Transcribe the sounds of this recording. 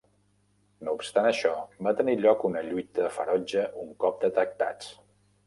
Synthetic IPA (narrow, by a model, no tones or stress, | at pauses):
noupst̪anəʃɔbat̪əniʎɔkunəʎujt̪əðəfə̰ɾɔd͡ʒəʔuŋkɔp̚d̪ət̪ək̚t̪a̰t͡s